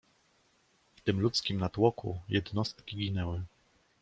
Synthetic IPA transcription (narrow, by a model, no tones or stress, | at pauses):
ft̪ɘmlut̪skʲimnat̪wɔkṵjɛd̪nɔst̪kʲiɡʲinɛwɘ